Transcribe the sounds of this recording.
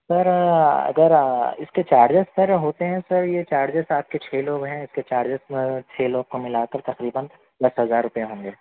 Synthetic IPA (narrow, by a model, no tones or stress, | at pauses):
sɐɾɐ̰ɡəɾɪsket͡ʃaːɾd͡ʒəssɐɾɦoːt̪eɦɛ̃sɐɾjet͡ʃaːɾd͡ʒəsaːp̚ket͡ʃʰeːloːɡɦɛ̃ɪsket͡ʃaːɾd͡ʒəsẽt͡ʃʰeːloːɡ̚komɪlaːkəɾt̪ɐqɾiːbən | d̪ɐsɦɐzaːɾːʊpəjeɦõːŋɡeː